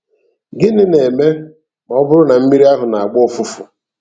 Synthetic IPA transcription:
ɡɪ˦nɪ˦ne˨me˦ | m˨ɔ˦bʊ˦ɾʊ˦na˨m̩˦mi˦ɾi˦a˦ɦʊ˨na˨a˨ɡ͡bʊ˦fʊ˦fʊ˨

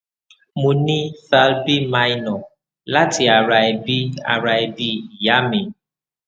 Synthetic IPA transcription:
mu˨ni˦fa˦lbi˦ma˦jnɔ˨ | la˦ti˨a˨ɾa˨e˨bi˦a̰˨ɾa˨e˨bi˦ja˦mi˨

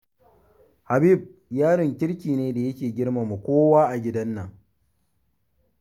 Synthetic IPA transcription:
ha˨bi˦˨b̚jaː˦ɽɪ˨ŋkʲɪ˦ɽkʲiː˨neː˦da˨jɐ˦kʲeː˨ɡʲɪ˦ɽma˨mu˨kʷoː˦waː˦ʔa˨ɡʲɪ˦dɐ˦nːɐ˨ŋ

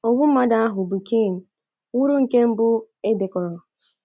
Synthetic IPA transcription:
o˨bʊ˦m̩˦ma˦da˦a˦ɦʊ˨bu˨ki˦˨ŋ̩˨ | wu˦ɾu˦ŋ̩˨ke˦m̩˦bʊ˦ | e˦de˨kɔ˨ɾɔ˨

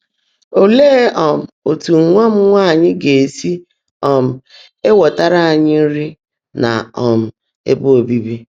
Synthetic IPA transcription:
o˦leː˦ɔ˨m̩˨o˨tu˨ŋʷa˦m̩˦ŋʷa˦˨ɲɪ˦ɡe˨e˨si˦ | ɔ˨m̩˨ | e˦wɔ˨ta˦ɾa˦a˨ɲɪ˦ɾi˦ | na̰˨ɔ˨m̩˨ | ḛ˦bʊ˦o˨bi˦bi˦

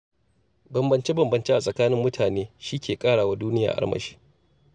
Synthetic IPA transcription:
bɐ˨mbɐ˨nt͡ʃe˦bɐ˨mbɐ˨nt͡ʃe˦ʔa˨sʼɐ˨kaː˦nɪ˦mːʊ˦tʰaː˨neː˦ʃiː˦kʰʲeː˨kʼaː˦ɽaː˨wa˦duː˦nɪ˦ja̰ː˨ʔa̰˦ɽmɐ̰˨ʃi̥ː˦

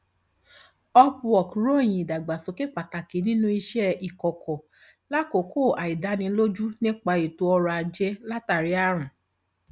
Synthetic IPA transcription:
ɔ˧pɔ˨kɾo˦˨j̃ĩ˨i˨da˨ɡ͡ba˨so˨˦ke˦k͡pa˨ta˨ke˨˦nĩ˦nũ˦i˧ʃɛ˦i˨kɔ˨kʰɔ˨ | la˦ko˨˦kʰo˦˨a˨i˨da˨˦nĩ˧˦lo˦d͡ʒu˦nĩ˦k͡pa˧i˨to˧˦ɔ˧ɾɔ˧a˨d͡ʒɛ˧˦la˦ta˨ɾi˨˦a˦˧ɾ̃ũ˨

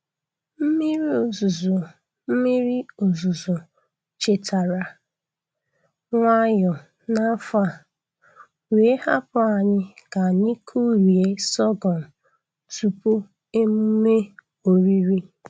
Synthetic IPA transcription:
m̩˦mi˦ɾi˦o˨zu˨zu˨ | m̩˦mi˦ɾi˦o˨zu˨zu˨ | t͡ʃe˨tʰa˨ɾa˨ | ŋʷa˦jʊ˨ | na˦fa˦˨ | we˨˦ha˦pʊ˦a˨ɲɪ˦ka˨ɲi˦kʰu˦ɾi˨e˦sɔ˦ɡɔ˨n̩˨ | tu˨pu˦ | e˦mu˦me˦ | o˨ɾi˦ɾi˦

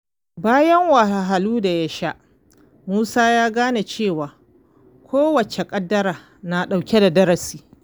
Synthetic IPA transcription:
baː˦jɐ˦ŋwɐ˨ha˨ɦa˨luː˦da˨ja˦ʃa˦ʔ | muː˦saː˦jaː˦ɡaː˦na˨t͡ʃeː˦˨waː˨ | kʷʰoː˦wɐ˨t͡ʃe˨kʼɐ˦dːɐ˦ɾaː˨ | na˨ɗa˨wkʲe˦da˨dɐ˦ɾɐ˨siː˨

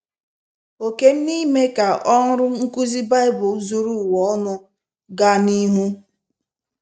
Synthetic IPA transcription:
o˨ke˦m̩˦ni˦me˦ka˨ʔɔ˦ŋ̩˦ɾʊ˦ŋ̩˦ku˦zi˦ba˦ɪ˦bʊ˨zu˦ɾu˦˨wɔ˨ɔ˦nʊ˦ | ɡa˦ni˦ɦu˦

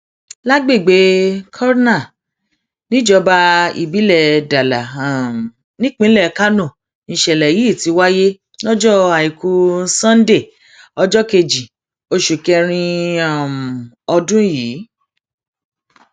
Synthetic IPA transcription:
la˦ɡ͡be˦˨ɡ͡be˨˦kʰɔ˦ɾna˦˨ | nĩ˦d͡ʒɔ˧˦ba˧ḭ˨bi˨˦lɛ˦˨da˨la˨m˨ | nĩ˦k͡pĩ˦lɛ˦˨ka˦nũ˦˨ | nĩ˧˨ʃɛ˧˨lɛ˨ji˨˦˨ti˨˧˦wa˦je˦ | nɔ˦d͡ʒɔ˦a˨i˨ku˧sã˦n˦de˦˨ | ɔ˧d͡ʒɔ˦ke˧d͡ʒi˨ | o˧ʃu˨kɛ˧ɾ̃ĩ˧a˨m˨ | ɔ˧dũ˦jiː˨˦

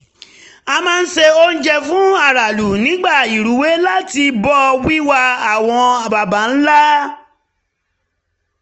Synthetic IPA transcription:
a˧mãː˦˧n̩˦ʃe˧o˦n̩˦d͡ʒɛ˧fũ˦a˦˨ɾa˨lu˨nĩ˨˦ɡ͡ba˦˨i˨ɾu˨˦we˨˦la˦ti˧bɔ˦˧wi˦wa˧a˨w̃ɔ̃˧a˨ba˨ba˨˦n̩˦la˦

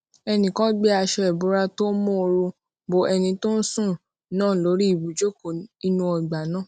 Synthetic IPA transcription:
ɛ˧nĩ˨kã˦ɡ͡bɛ˦a˧ʃɛ˧ɛ˨bo˨˦ɾa˧to˦mõ˦˧ɾu˧ | bo˨ʔɛ˧nĩ˧to˦n̩˦sũ˦˨ | nãː˦˨lo˨˦ɾi˦i˦˨bu˨d͡ʒo˦ko˨i˧nũ˧ɔ˧ɡ͡ba˨nãː˦

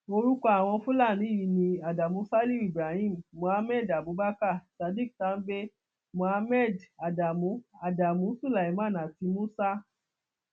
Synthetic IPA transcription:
o˧ɾu˦kɔ˧a˨w̃ɔ̃˧fũ˦la˦˨ñĩ˨˦i˦˨ji˧˨nĩ˧a˨da˨mũ˨˦sa˦li˦i˦˨bɾa˨hĩ˦˨m˨mũ˨˦a˧˦mɛ˦˨da˨bu˨˦ba˦ka˦˨sa˨˧di˦k̚tã˨˦n̩˦be˦ | mũ˨a˧mɛ˦˨da˨da˨mũ˨˦a˨da˨mũ˨˦su˦˨la˨i˨mã˦˨nã˨ti˧mũ˦sa˦

